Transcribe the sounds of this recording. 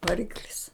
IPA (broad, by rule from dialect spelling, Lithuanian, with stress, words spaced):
ʋɐˈrʲɪklʲɪs